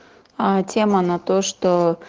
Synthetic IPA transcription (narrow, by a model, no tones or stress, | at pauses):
atʲemənɐt̪oʂt̪o